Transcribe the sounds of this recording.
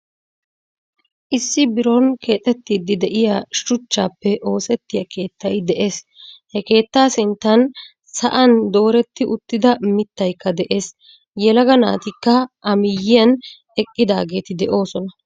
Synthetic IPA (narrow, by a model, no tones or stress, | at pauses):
ʔɪsːɪbɪɾɔnkʰe̞ːt̪ʼɛt̪ːiːd̪ːɪd̪ɛʔɪjaʃʊt͡ʃːaːpːɛʔo̞ːsɛt̪ːɪjɐkʰe̞ːt̪ːɐjd̪ɛʔe̞ːs | hɛke̞ːt̪ːaːsɪnt̪ːɐn | sɐʔɐnd̪o̞ːɾɛt̪ːɪʔʊt̪ːɪd̪ɐmɪt̪ːɐjkːɐd̪ɛʔe̞ːs | jɛlɐɡɐna̰ːt̪ɪkːɐʔɐmɪjːɪjɐn | ɛkʼːɪd̪aːɡe̞ːt̪ɪd̪ɛʔo̞ːsɔnɐ